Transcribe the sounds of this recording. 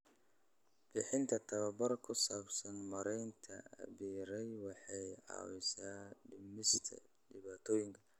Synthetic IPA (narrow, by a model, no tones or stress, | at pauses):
b̥ɪħɪnt̪ʰɐt̪ʰɐwɐbɐɾkʰʊsaːbsɐnmɐɾɛjnt̪ʰɐɐ̰βiːɾɛjwɑħɑjʕɑ̰ːwɪsaːɖɪmɪst̪ʰɐ̰ | ɖɪβaːt̪ʰɔːjɪŋkʰɐ̥